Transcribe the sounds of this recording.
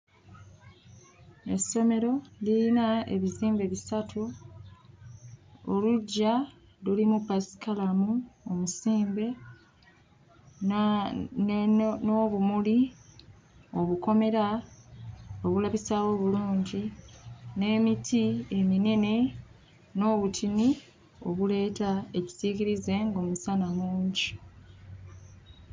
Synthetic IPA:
e̞sːo̞me̞ɾo̞lilinae̞̰βiziːmbe̞βisatʰu | oluɟːa | lulimupasi̥kalamuomusiːmbe̞ | noβumuli | o̞βuko̞me̞ɾa | oβulaβisaːwo̞ːβuluːɲɟi | ne̞ːmitʰie̞mine̞ne̞ | no̞ːβutʰini | o̞̰βule̞ːtae̞ci̥sikiɾize̞ŋɡo̞ːmusanamuːɲɟi

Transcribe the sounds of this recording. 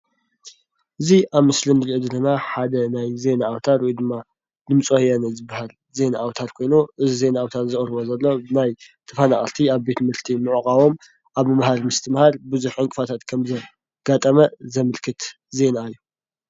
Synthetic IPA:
ʔɨziʔaβmɨslɨmɾiʔɨd̪ɾɨnaħad̪ɐnajze̞naːwt̪ʰaɾwjd̪ɨmːa | d̪ɨmt͡sʼohjanɐzɨbːahal | ze̞naawt̪ʰaɾkʰo̞jnuʔɨzize̞naawt̪ʰaɾzɨχʼɾɨβozɐlːo̞bɨnajt̪ʰɐfanaχʼɐɾt̪ʰiaβbe̞t̪ʰmɨɾt̪ʰimɨʕukʼawo̞m | ʔaβmɨmahaɾmɨst̪ʰɨmhaɾbɨzuħɨŋkʼɨfat̪ʰat̪kʰɐmzɐ | ɡ̥at̪ʼɐmɐzɐmɨlkʰɨt̪ | ze̞naɨjːu

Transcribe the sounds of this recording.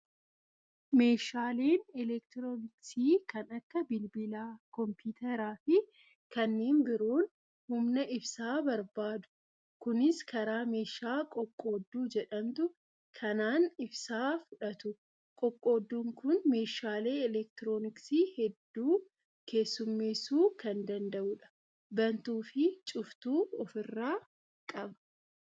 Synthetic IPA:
me̞ːʃaːle̞ːnɛlɛkt̪ɪɾoːnɪksiːkɐnɐkːɐbɪlbɪlaːkɔmpiːt̪ʰɐɾaːfɪ | kɐnːe̞ːnbɪɾoːn | hʊmnɐʔɪfsaːbɐɾbaːd̪ʊ̥ | kʊnɪskʰɐɾaːme̞ːʃaːkʼɔkʼːo̞ːd̪ːuːd͡ʒɛᶑɐnt̪ʊ | kʰɐnaːnɪbsaːfʊᶑɐt̪ʊ | kʼɔkʼːo̞ːd̪ːuːŋkʊnme̞ːʃaːle̞ːɛlɛk̚t̪ɪɾo̞ːnɪksiːhɛd̪ːuː | ke̞ːsːʊmːeːsuːkɐnd̪ɐnd̪ɐʔuːᶑɐ̥ | bɐnt̪uːfɪt͡ʃʼʊft̪uːɔfɪrːaː | kʼɐbɐ̥

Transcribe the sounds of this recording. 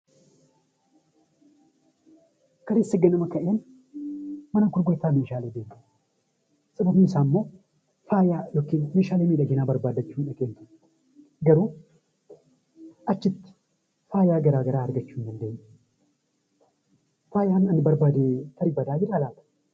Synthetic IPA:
kɐleːsːɐɡɛnɐmɐkːɐʔɪjɐn | mɐnɐɡʊɾɡojt̪ːaːmeːʃaːleːbeːn | sʼɐbɐfiːɪsaːmːo̞ː | faːjaːjokːɪnmeːʃaːlemiːᶑɐɡenaːbɐɾbaːd̪ɐt͡ʃːuːnɐkʼeːn | ɡɐɾoː | ɐt͡ʃːɪt̪ːɪ̥ | faːjaːɡɐɾaːɡɐɾaːɐɾɡɐt͡ʃːuːnd̪ɐnd̪eɲ | faːjaːnɐnɪbɐɾbad̪et̪ʰɐɾɪbɐd̪aːjɪɾaːlaːt̪ɐ̥

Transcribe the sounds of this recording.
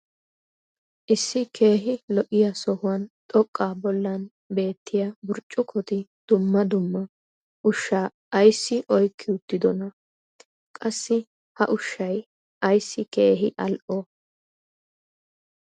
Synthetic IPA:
ʔɪsːɪkʰe̞ːɦɪlɔʔɪjasɔhʊwɐnt̪ʼɔkʼːaːbɔlːɐn | be̞ːt̪ːɪjabʊɾt͡ʃʼːʊkʰɔt̪ɪd̪̥ʊmːɐd̪ʊmːɐ | ʔʊʃːaː | jsːɪʔɔjkʰːɪʊt̪ːɪd̪ɔnɐ | kʼɐsːɪ | hɐ̰ʔʊʃːɐj | ʔɐjsːɪke̞ːɦɪʔɐlʔɔ

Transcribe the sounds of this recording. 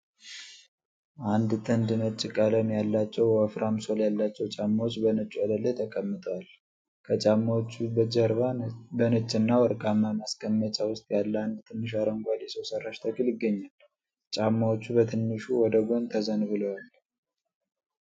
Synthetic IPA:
ʔand̪t̪ʰʼɨnd̪ɨnət͡ʃʼːɪkʼaləmjalːat͡ʃːɛwəfɾʔamso̞ljalːat͡ʃːɛwt͡ʃʼamːawot͡ʃːbənət͡ʃʼːuad̪əlːejt̪ʰəkʼəmːɨt̪ʼwal | kʰət͡ʃʼamːawot͡ʃːubəd͡ʒəɾβabənət͡ʃʼːɨnːawɔɾkʼamːamaskʼəmːət͡ʃʼawʊst̪ʼjalːand̪t̪ʰɨnːɨʃ̬aɾəŋɡʷaljɛsəwsərːaʃt̪ʰəkʰɨljɪɡːəɲːal | t͡ʃʼamːawot͡ʃːubət̪ʰɨnːɨʃuwɔd̪əɡʷont̪ʰəzənbɨləwal

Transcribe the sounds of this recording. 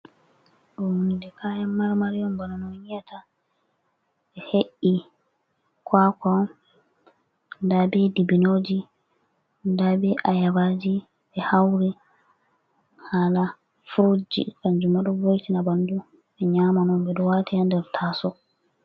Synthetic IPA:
ɗɔhundɛkaːjamːaɾmaɾijɔmbananɔɲijatʰa | ɓɛheʔi | kʰwaːka | ndabɛdibinoːd͡ʒi | ndabɛʔajabad͡ʒi | bɛhawɾi | haːla | fɾod͡ʒḭkaɲd͡ʒumaɗɔvojtinabandu | ɓɛɲaːmanɔmbɛɗɔwaːtiandɛɾtʰasɔ

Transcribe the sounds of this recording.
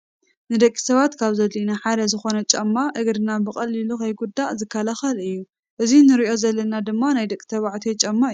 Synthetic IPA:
nɨd̪ɐkʼːi̥sɐβat̪kʰaβzɐlinaħad̪ɐzɨxo̞nɐt͡ʃʼɐmːaʔɨɡɾɨnabɨkʼɐlːilukʰɐjɡud̪ːazɨkʰːalaxɐlɨjːu | ʔɨzinɨɾiʔo̞zɐlːɐnad̪ɨmːanajd̪ɐkʼːi̥t̪ʰɐβaʕt̪ʰet͡ʃʼɐmːa

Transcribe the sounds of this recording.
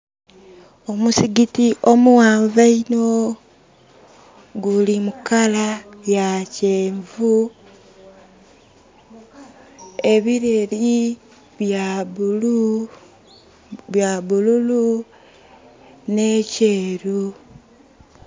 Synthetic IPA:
o̞musiɡitiʔo̞muwaːɱvaino | ɡulimukalajaceːɱvu | e̞βiɾeli | βjal | jaβululu | ne̞ceːɾu

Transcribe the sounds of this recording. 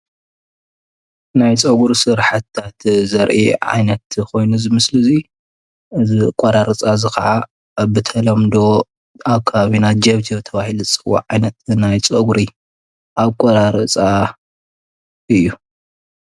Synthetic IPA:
najt͡sʼɐɡuɾsɨɾħat̪ʰːat̪zɐɾʔiʕa̰jnɐt̪kʰo̞jnuzɨmɨslɨzi | ɨzikʼɐɾaɾɨt͡sʼazɨxɐʕa | bɨt̪ʰɐlɐmd̪o̞ | aβkʰaβaβinad͡ʒɐβt̪ʰibɨt̪ʰɐβahiluzɨt͡sʼɨwo̰ʕajnɐt̪̚najt͡sʼɐɡuɾi | ʔaβkʼoɾaɾɨt͡sʼa | ɨjːu

